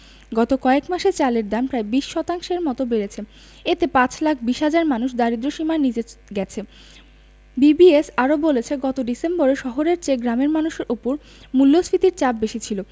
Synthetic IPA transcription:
ɡɔt̪okɔekmaʃet͡ɕaleɾd̪ampɾaebiʃʃɔt̪aŋʃeɾmɔt̪obeɾet͡ɕʰe | et̪epãt͡ɕlak̚ʰbiʃɦad͡ʑaɾmanuʃd̪aɾid̪ɾoʃimaenid͡ʑeɡɛt͡ɕʰe | bibiesaɾobolet͡ɕʰeɡɔt̪oɖisemboɾeʃɔɦoɾeɾt͡ɕeɡɾameɾmanuʃeɾʔupoɾ | mulːosfit̪iɾt͡ɕab̚beʃit͡ɕʰilo

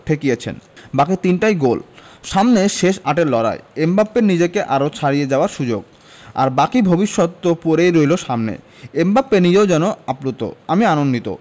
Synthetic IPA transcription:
ʈʰekiet͡ɕʰḛnbakit̪inʈajɡolʃamneʃeʃaʈeɾlɔɾa̰eembapːenid͡ʑekeʔaɾot͡ɕʰaɾijed͡ʑaoaɾʃud͡ʑoɡ | a̰ɾbakibʱobiʃːot̪ːopoɾejɾojloʃamnḛ | embapːenid͡ʑeod͡ʑɛnoaplut̪ːo̰amianonːit̪o̰

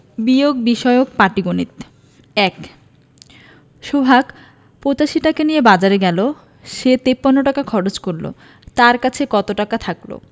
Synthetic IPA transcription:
bijoɡ̚biʃɔeok̚paʈiɡonit̪ | ɛk | ʃobʱak | pot͡ɕaʃiʈakanijebad͡ʑaɾeɡɛlo | ʃet̪epːanːoʈakakʰɔɽod͡ʑkoɾlo̰ | t̪aɾkat͡ɕʰekɔt̪oʈakat̪ʰaklo̰

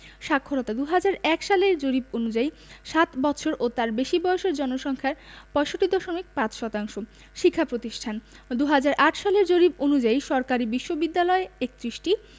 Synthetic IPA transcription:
ʃakʰːoɾɔt̪ad̪uɦad͡ʑaɾɛkʃaleɾd͡ʑoɾib̚onud͡ʑai | ʃat̪bɔt̪ːt͡ɕʰoɾʔot̪aɾbeʃibɔjoʃeɾd͡ʑɔnoʃɔŋkʰaɾpɔeʃoʈːid̪ɔʃomik̚pãt͡ɕʃɔt̪aŋʃo | ʃikʰːapɾot̪iʃʈʰan | d̪uɦad͡ʑaɾʔaʈʰʃaleɾd͡ʑoɾib̚onud͡ʑaiʃɔɾkaɾibiʃːobid̪ːalɔeek̚t̪ɾiʃʈi

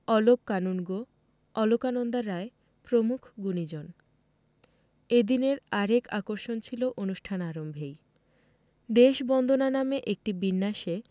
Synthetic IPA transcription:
ɔlokːanunɡo | ɔlokanond̪aɾːae | pɾomukʰɡunid͡ʑon | ed̪ineɾaɾekakoɾʃont͡ɕʰiloʔonuʃʈʰanaɾombʱej | d̪eʃbɔnd̪ʱonanameʔek̚ʈibinːaʃe

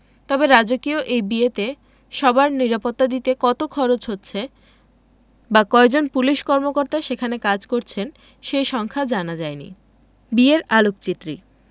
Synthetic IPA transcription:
t̪ɔbeɾad͡ʑokioʔejbiet̪e | ʃɔbaɾniɾapot̪ːad̪it̪ekɔt̪okʰɔɾot͡ɕɦotːɕʰe | bakɔed͡ʑonpuliʃkɔɾmokoɾt̪aʃekʰanekad͡ʑkoɾt͡ɕʰen | ʃejʃɔŋkʰad͡ʑanad͡ʑaenḭ | bieɾalukt͡ɕit̪ːɾi

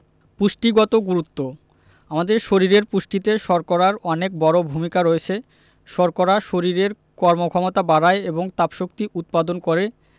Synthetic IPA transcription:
puʃʈiɡɔt̪oɡuɾut̪ːo | amad̪eɾʃoɾiɾeɾpuʃʈit̪eʃɔɾkoɾaɾɔnek̚bɔɾobʱumikaɾoet͡ɕʰe | ʃɔɾkoɾaʃoɾiɾeɾ | kɔɾmokʰɔmot̪abaɾaeeboŋt̪apʃok̚t̪iut̪̚pad̪onkoɾe

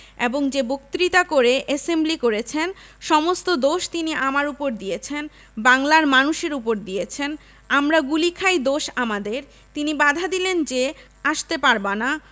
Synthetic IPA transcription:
eboŋd͡ʑebok̚t̪ɾit̪akoɾeʔesemblikoɾet͡ɕʰenʃɔmost̪od̪oʃt̪iniʔamaɾupoɾd̪ijet͡ɕʰen | baŋlaɾmanuʃeɾupoɾd̪ijet͡ɕʰen | amɾaɡulikʰajd̪oʃamad̪eɾ | t̪inibad̪ʱad̪ilend͡ʑe | aʃt̪epaɾbana

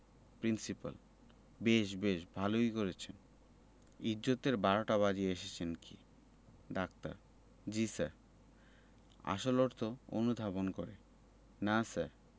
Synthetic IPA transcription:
pɾinsipa̰l | beʃbeʃbʱalojkoɾet͡ɕʰen | id͡ʑot̪eɾbaɾoʈaβad͡ʑieeʃet͡ɕʰenkḭ | ɖak̚t̪a̰ɾ | d͡ʑisa̰ɾ | a̰ʃoloɾt̪ʰoo̰nud̪ʱabonkoɾe | nasaɾ

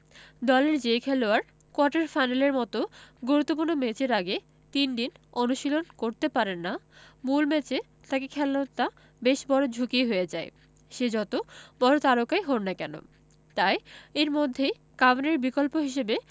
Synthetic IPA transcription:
d̪ɔleɾd͡ʑekʰɛloaɾ | koaʈeɾfajnaleɾmɔt̪oɡoɾut̪ːop̬uɾnːomet͡ɕeɾaɡe | t̪inɖinonuʃilonkoɾt̪epaɾenːamulmɛt͡ɕe | t̪akekʰɛlnot̪ːa | beʃbɔɾod͡ʑʱukiɦojed͡ʑae | ʃed͡ʑɔt̪obɔɾot̪aɾokajɦonnakɛno̰ | t̪ajeɾmod̪ʱːe | kabeneɾbikolpoɦiʃ̬ebe

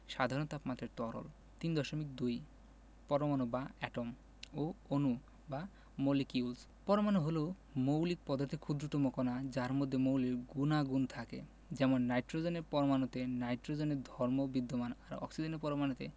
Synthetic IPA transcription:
ʃad̪ʱaɾont̪apmat̪ʰɾeɾt̪ɔɾo̰l | t̪ind̪ɔʃomik̚d̪uj | pɔɾomanobaɛʈom | oonu | ba | molikiuls | pɔɾomanoɦolo | mowlik̚pɔd̪ʱaɾt̪ʰekʰud̪ɾot̪omokɔnad͡ʑaɾmod̪ʱːemowliɾɡunaɡunt̪ʰakḛ | d͡ʑɛmonːajʈɾod͡ʑoneɾpɔɾomanot̪enajʈɾod͡ʑoneɾd̪ʱɔɾmobid̪ʱːomanaɾɔ̰ksid͡ʑenepɔɾomanot̪ḛ

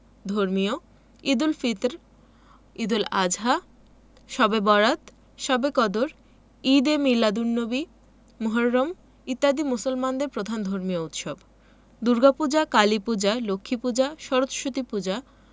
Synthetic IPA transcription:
d̪ʱoɾmijo | id̪ulfit̪ɾ | id̪ulad͡ʑɦa | ʃɔbebɔɾat̪ | ʃɔbekɔd̪oɾ | id̪emilːad̪uɾnobi | muɦoɾːom | it̪ːad̪imusolmand̪eɾpɾod̪ʱand̪ʱoɾmijout̪ʃob | d̪uɾɡapud͡ʑakalipud͡ʑalokʰːipud͡ʑaʃɔɾot̪ʃot̪ipud͡ʑa

